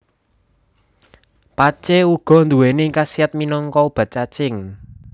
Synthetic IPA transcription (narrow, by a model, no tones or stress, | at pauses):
pat͡ʃeuɡ̥ɔ̤nd̪ṳwenekasiat̪̚minɔŋkɔb̥a̤t̪̚t͡ʃat͡ʃɪŋ